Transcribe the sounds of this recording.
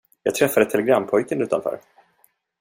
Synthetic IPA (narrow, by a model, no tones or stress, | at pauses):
jɑːɡt̪ʰɾɛfːad̪ət̪ʰɛlɛɡɾamːpʰɔjkənʉ̟ːt̪a̰nfœ̰ːɾ